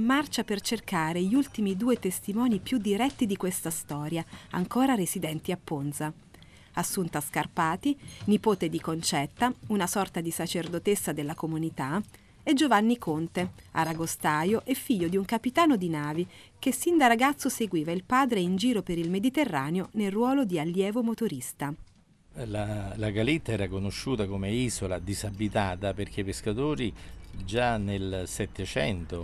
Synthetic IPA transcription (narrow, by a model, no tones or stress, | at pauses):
imːart͡ʃapert͡ʃerkaːɾeʎiult̪imid̪uːet̪est̪imɔːnipjud̪ːiɾɛt̪ːid̪ikwest̪ast̪ɔːɾjaa̰ŋkoːɾaɾesid̪ɛnt̪iapːonza | asːunt̪askarpaːt̪inipoːt̪ed̪ikont͡ʃɛt̪ːaunasɔrt̪ad̪isat͡ʃerd̪ot̪esːad̪elːakomunit̪a | ed͡ʒovanːikʰont̪ea̰ɾaɡost̪aːjoʔefːiʎːod̪iuŋkapit̪aːnod̪inaːvi | kesːind̪araɡat̪sːoseɡwiːvailpaːd̪ɾeind͡ʒiːɾopeɾilmed̪it̪erːaːneonelrwɔːlod̪ialːjɛːvomot̪oɾist̪a | lalaɡalit̪ːaɛːɾakonoʃːuːt̪akomeiːzolad̪izabːit̪aːt̪aperk̟ʰepːeskat̪oːɾid͡ʒanelsɛt̪ːet͡ʃɛnt̪o